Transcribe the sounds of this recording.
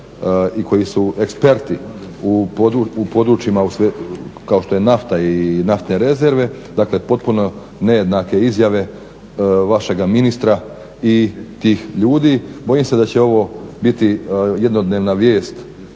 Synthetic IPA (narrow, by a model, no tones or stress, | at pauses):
iko̞jisuekspe̞ɾt̪iupod̪uupo̞d̪ɾut͡ʃimausʋekaoʃt̪o̞jenaft̪ainaft̪ne̞ɾe̞ze̞ɾʋe̞ | d̪akle̞po̞t̪̚puno̞ | ne̞je̞d̪nake̞izjaʋe̞ | ʋaʃe̞ɡaminist̪ɾa | it̪iːxʎuːd̪iːbo̞jimse̞d̪at͡ɕe̞o̞ʋo̞bit̪ijed̪nod̪ne̞ːʋnaʋje̞ːst̪